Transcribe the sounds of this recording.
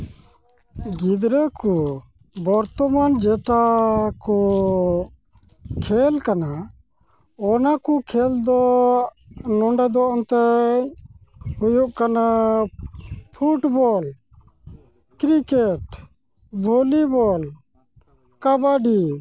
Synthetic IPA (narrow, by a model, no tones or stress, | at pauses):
ɡid̪ɾəku | bɔɾt̪ɔmand͡ʒɛʈakɔ | kʰɛlkana | ɔnakukʰɛld̪ɔ | nɔɳɖɛd̪ɔʔɔnt̪ɛ | hujuʔkana | pʰuʈbɔl | kɾikeʈ | bʱolibɔl | kabaɖi